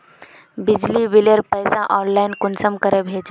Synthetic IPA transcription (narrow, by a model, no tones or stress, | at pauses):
bid͡ʑliʋileɾpəjsaʔɔːnlajnkunsəmkəɾebʱeːt͡ʃu